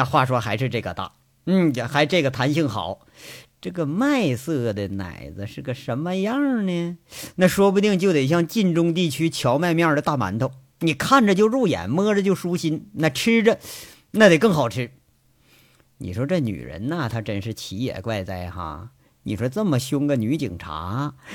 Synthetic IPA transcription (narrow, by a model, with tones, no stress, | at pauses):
xwa˥˩ʂwɔ˥xa˧˥ɪʂɻ̩˥˧ʈ͡ʂɤ˥˩ɡə̰˧t̪a̰˥˩ | n̩˥˩˧xa˧˥ɪʈ͡ʂɤ˥˩ɡə˩t̪ʰa˧˥nɕi˥˩ŋxɑ̰˨˩˦ʊ | ʈ͡ʂɤ˥˩ɡə˩ma˥˧ɪsɤ˥˩d̪ə˩na̰˨˩ɪd͡zɹ̩˦ʂɻ̩˥˩ɡə˩ʂə˧˥nmə˧jɑ˥˩˧ŋnɛ˧na˥˩ʂwɔ˥p̬u˧t̪i˥˩ŋt͡ɕjʊt̪e˨˩ɕ̬jɑ˥˧ŋt͡ɕi˥˩nʈ͡ʂʊ˥ŋt̪̬i˥˩t͡ɕʰy˥t͡ɕʰjɑ˧˥ʊma˥˧ɪmjɑ˥˩ə˧˦t̪a˥˩ma̰˧˥nt̪ʰo˧˩ʊ | ni˨˩kʰa˥˩nʈ͡ʂə˩t͡ɕjo˥˧ʊɻu˥˩jɛ̰˨˩nmɤ˥ʈ͡ʂə˨t͡ɕjo˥˩ʊʂu˥ɕi˥nna˥˩ʈ͡ʂʰɻ̩˥ʈ͡ʂə˨˧ | na˥˩t̪e˨˩ɪkɤ˥˩ŋxɑ˨˩ʊʈ͡ʂʰɻ̩˥ | nḭ˨˩ʂwɔ˥ʈ͡ʂɤ˥˩ny̰˨˩ɻə̰˧˥nə˧˩t̪ʰa˥ʈ͡ʂə˨˩nʂɻ̩˥˩t͡ɕʰi˧˥jɛ̰˨˩kwa˥˧ɪt͡sa˥˩ɪxa̰˧˩ | ni˨˩ʂwɔ˥t͡sə˥˩mə˩ɕjʊ˥ŋɡə˨ny˧˥t͡ɕḭ˨˩ŋʈ͡ʂʰa̰˧˥